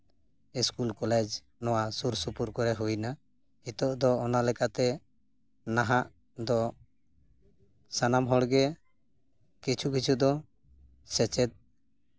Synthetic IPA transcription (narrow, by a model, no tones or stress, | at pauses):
iskulkɔlɛd͡ʒ | nɔwasuɾsupuɾkɔɾɛɦujna | it̪ɔʔd̪ɔːnalɛkat̪ɛ | naɦaʔ | d̪ɔ | sanamɦɔɽɡɛ | kit͡ʃʰukit͡ʃʰud̪ɔ | sɛt͡ʃɛd̪̚